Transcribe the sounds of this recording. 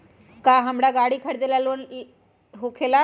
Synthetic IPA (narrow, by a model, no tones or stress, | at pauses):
kaːɦɐmɽaɡaːɽikʰɐɽd̪elaloːn | ɦokʰela